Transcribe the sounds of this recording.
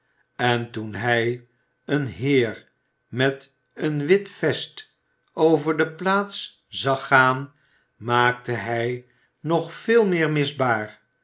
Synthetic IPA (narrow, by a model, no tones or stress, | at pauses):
ɛntunɦɛj | ənɦɪːɹ | mɛt | ənʋɪtfɛst | ʔowvəɹdəplaːt̪s | z̥ɑχaːn | maːk̚təɦɛj | nɔχfɪːlˠmɪːɹmɪzbaːɹ